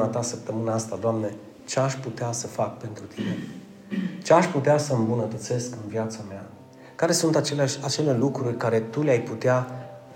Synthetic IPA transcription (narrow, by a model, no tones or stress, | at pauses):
at̪asəp̚t̪əmɨnaast̪ad̪oamne̞ | t͡ʃeaʃʲput̪easəfak̚pe̞nt̪ɾut̪ʰine̞ | t͡ʃeaʃput̪easəɨmbunət̪ət̪se̞skɨnvjat̪samea | kaɾe̞sunt̪at͡ʃelat͡ʃe̞le̞lukɾurʲkaɾe̞t̪uleajput̪ea